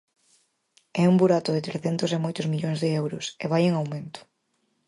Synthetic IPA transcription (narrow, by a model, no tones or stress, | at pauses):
ɛuŋbuɾat̪ʊðɪt̪ɾesθent̪ʊsemojt̪ʊzmiʎoŋzðɪɛwɾʊseβ̞ajeŋawmẽnt̪ʊ̥